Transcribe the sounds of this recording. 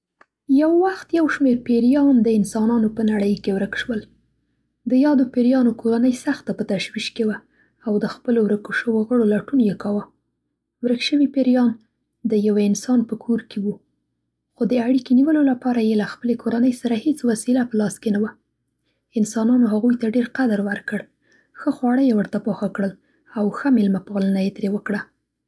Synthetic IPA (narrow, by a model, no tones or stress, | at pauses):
jawːaxt̪jawʃmeɾpeɾjɑnd̪əɪnsɑnɑnopənaɽəjkewɾəkʃwəl | d̪əjɑd̪opeɾjɑnokʰoɾanəjsaxt̪apət̪aʃwiʃkewa | awd̪əxpəlowɾəkoʃəwoɣəɽolaʈunjekawə | wɾəkʃəwipeɾjɑn | d̪əjawaɪnsɑnpəkʰoɾkewu | xod̪əaɽikeniwəlolapɑɾajelaxpəlekoɾanəjsaɾahet͡swasilapəlɑskenawa | ɪnsɑnɑnoɦaɣujt̪aɖeɾqad̪ɾwaɾkəɽ | xəxwɑɽəjewəɾt̪apɑxakɽəl | awxəmɪlmapɑlənajet̪ɾewəkɽa